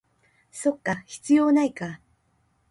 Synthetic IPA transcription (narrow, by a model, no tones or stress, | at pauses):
so̞kːaçi̥t͡sɨjo̞ːnaika